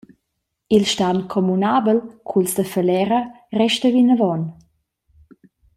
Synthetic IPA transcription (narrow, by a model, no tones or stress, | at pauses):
ilʃtankʰɔmunabəlkʰulsd̪əfəlɛɾə | rɛʃtəvinəvɔn